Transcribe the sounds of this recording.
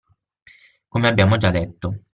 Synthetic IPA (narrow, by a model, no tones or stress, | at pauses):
komeabːjaːmod͡ʒad̪ːet̪ːo